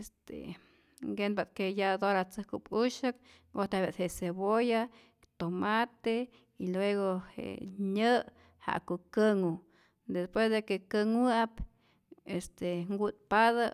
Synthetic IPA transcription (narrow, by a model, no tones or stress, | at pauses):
est̪ḛ | ɡenbat̪kejad̪oɾat͡sɨhkupuʃɨk̚ | ɡoht̪eabet̪heʔseboja | t̪omat̪e | ilweɣohḛʔɲə | ha̰ʔkuʔkɨŋu | d̪espwesd̪ekekɨŋwɨʔap | est̪eŋɡut̪̚paðə